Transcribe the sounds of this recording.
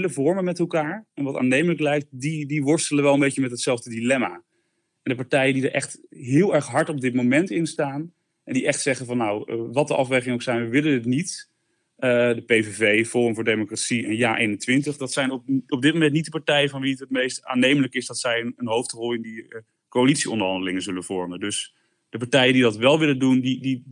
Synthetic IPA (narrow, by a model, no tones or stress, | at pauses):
ləvɔɹmənmɛtɛlˠkaːɹɛnʋɑta̰ːnejmələklɛjk̚t̚didiʋɔɹstələʋɛlˠəmbejçəmɛtɦətsɛlˠvdədilɛma | ɛndəpɑɹtɛjəndidəɹʔɛ̰χtɦɪːlˠɛɹχɦɑɹtɔb̚dɪt̚momɛntɪnstaːn | ʔɛndiʔɛχtsɛχəvɑnːawəʋɑt̚dəʔɑfʋejχɪŋəowksɛjnʋəʋɪlənətnit | ədəpejvevejvɔəmvʊːɹdejmokratsiənjaːʔejnəntʋɪntəχdɑtsɛjnɔpɔb̚dɪtmomɛntnit̚dəpɑɹtɛjənvɑnʋiətɦət̚mejsta̰ːnejmələkɪsdɑtsɛjənənɦowftrɔlˠɪndi | koalitsiɔ̰ndəɹɦɑndəlɪŋənzɵlənv̥ɔɹməndɵs | d̥əpɑɹtɛjədidɑtʋɛlˠʋɪləndundidi